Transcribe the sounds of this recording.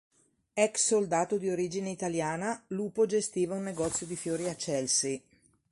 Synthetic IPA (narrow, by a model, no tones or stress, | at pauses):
ɛksːold̪aːt̪od̪ioɾiːd͡ʒineit̪aljaːnaluːpod͡ʒest̪iːvaunːeɡɔt̪sːjod̪ifjoːɾiat͡ʃːɛlsi